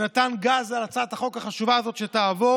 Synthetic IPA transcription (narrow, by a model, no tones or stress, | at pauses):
natanɡazalat͡sad̪haχo̞khaχaʃuvaazo̞t̪ʃetaːvo